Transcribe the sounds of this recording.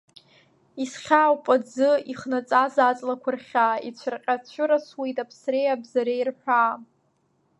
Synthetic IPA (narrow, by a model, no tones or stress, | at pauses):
isχʲaːwpʼad͡zɨiχnat͡sʼazat͡sʼlakʷʰʊrχʲaːit͡ɕʷʰʊrqʲʼat͡ɕʷʰʊɾaswijtʼapʰsrejabzaɾejrħʷᶣaː